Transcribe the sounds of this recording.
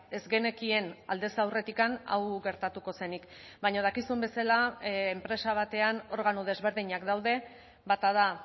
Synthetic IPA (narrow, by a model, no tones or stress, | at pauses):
e̞zɣe̞ne̞kie̞na̰ld̪e̞sawre̞t̪ikana̰wɣe̞ɾt̪at̪uko̞se̞nik | baɲoð̞akisumbe̞salaːmpɾe̞saβ̞at̪e̞ano̞ɾɣ̞anuð̞e̞zβe̞ɾðiɲakd̪awðe̞ | βat̪aða